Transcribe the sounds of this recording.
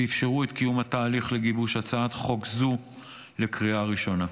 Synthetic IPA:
ifʃe̞ʁuet̪kijumhat̪aːliχleɡibuʃat͡saad̪χo̞kzu | le̞kʁiaʁiʃo̞na

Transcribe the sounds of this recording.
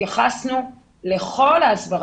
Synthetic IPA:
aχasnu | le̞χo̞laːsbaʁ

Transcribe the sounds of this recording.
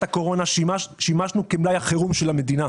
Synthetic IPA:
tako̞ʁo̞naʃimaʃnukemlajaχeʁumʃelame̞d̪ina

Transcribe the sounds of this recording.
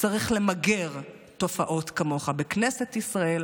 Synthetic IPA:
t͡saʁiχle̞maɡe̞ʁ | to̞faʔo̞tkamo̞χabeknesetisʁae̞l

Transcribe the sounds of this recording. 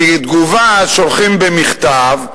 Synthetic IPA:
ed̪ɡuvaʃolχimbemiχt̪av

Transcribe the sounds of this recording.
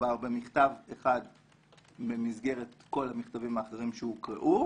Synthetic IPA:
aʁbemiχt̪aveχad | be̞mizɡe̞ʁetko̞lhamiχt̪avimaːχeʁimʃehukʁḛʔu

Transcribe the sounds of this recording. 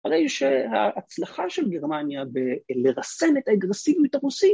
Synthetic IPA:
aʁejʃehaːt͡slaχaʃe̞lɡe̞ʁmanjabeleʁase̞net̪aeɡʁesivjut̪aʁusi

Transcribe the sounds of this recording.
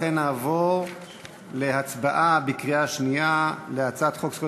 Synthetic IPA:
enaːvoʁ | le̞hat͡sbaʔabikʁiaʃnialeat͡sat̪χokso

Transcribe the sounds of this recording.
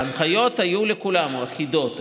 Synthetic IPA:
anχajo̞t̪hajulekulamuaχid̪o̞t̪

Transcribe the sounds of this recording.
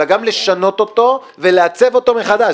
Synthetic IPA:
aɡamle̞ʃano̞t̪o̞t̪o̞ | ve̞leat͡se̞vo̞t̪o̞meχad̪a

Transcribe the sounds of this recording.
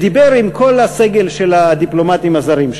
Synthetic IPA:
d̪ibe̞ʁimkʰo̞lhase̞ɡe̞lʃe̞lad̪iplo̞mat̪imazaʁimʃ

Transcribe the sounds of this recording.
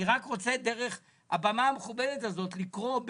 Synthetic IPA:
iʁakʁo̞t͡sedeʁeχ | a̰bamaːmeχubedetazo̞tlikʁo̞b

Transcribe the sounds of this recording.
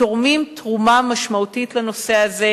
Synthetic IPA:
oʁmimtʁumamaʃmautitleno̞se̞aze

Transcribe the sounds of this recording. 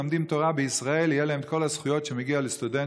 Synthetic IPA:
amd̪imt̪o̞ʁabeisʁae̞lijelaemko̞lasχujo̞t̪ʃemeɡialest̪ud̪en

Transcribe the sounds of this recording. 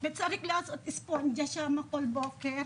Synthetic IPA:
bɛt̪sɐɾɪklasɔt̪ɪspond͡ʒɐʃamɐkolboːkɛɾ

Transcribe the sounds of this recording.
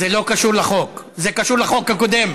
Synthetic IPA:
elo̞kaʃuʁlaχo̞k | zekaʃuʁlaχo̞kakod̪em

